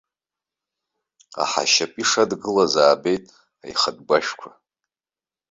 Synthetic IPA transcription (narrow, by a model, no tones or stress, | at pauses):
a̰ħa̰ʃapʼiʂadɡɨlazaːbejtʼ | a̰jχəd̚ɡʷaʃkʷʰa